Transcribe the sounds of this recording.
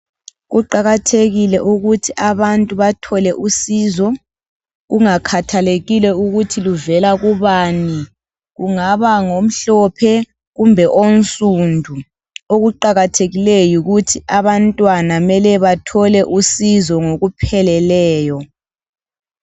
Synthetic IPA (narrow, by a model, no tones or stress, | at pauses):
ɣuǃaɣatʰeɣilɛʔuɣutʰiʔaβantʼuβatʰɔlɛʔusizɔ | ɣuŋakʰatʰaleɣilɛuɣutʰiluvɛlaɣuβaːni | ɣuŋaβaŋom̩ɬɔpʰɛ | ɣumbʱɛʔonsʼundʱu | oɣuǃaɣatʰeɣilejuɣutʰiʔaβantʼwanamɛlɛβatʰɔlɛʔusizɔŋoɣupʰɛlɛlɛːjɔ